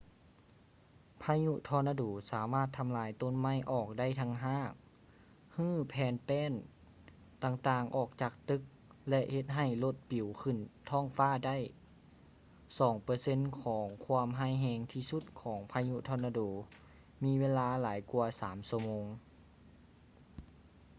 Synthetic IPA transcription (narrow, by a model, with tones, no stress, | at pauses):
pʰaː˧˥ɲu˧t̪ʰɔː˧˥na˧duː˨˩saː˩˦maː˥˩t̪ʰːa˧mlaː˨˧˦jt̪o˧˥˨nma˧˥˩jʔɔː˨˩k̚da˥˨jt̪ʰa˧ŋɦaː˧˥˩ŋ | hɯː˥˩˨pʰɛː˨˧npɛː˧˥˨n | t̪aː˧˩ŋt̪aː˧˩ŋʔɔː˨˩k̚t͡ɕaː˨˩k̚t̪ɯ˧˦k̚ | lɛ˧ʔhe˧˦t̪̚ɦa˧˨˩jlo˧˥t̪̚pi˨˩˦wkʰɯ˧˩nt̪ʰɔː˧˥˩ŋfaː˧˥˩da˥˩˨j | sɔː˩˦ŋpɤː˧se˧˥˨nkʰɔː˩˦ŋkʰu˧mɦaː˧˥˩jɦɛː˧ŋt̪ʰiː˧su˧˦t̪̚kʰɔː˩˦ŋpʰaː˧ɲu˧t̪ʰɔː˧˨na˧doː˨˩˦ | miː˧˥ʋeː˧˥˧laː˧˥laː˩˦jku˧ɐsaː˩˦msu˧əmoː˧˦ŋ